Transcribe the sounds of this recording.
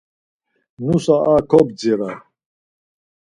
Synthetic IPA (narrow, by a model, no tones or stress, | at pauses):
nusaʔakʰɔbd͡ziɾa